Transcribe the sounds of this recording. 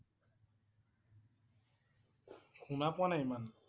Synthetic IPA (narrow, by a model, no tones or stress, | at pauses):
kʰunapwanajman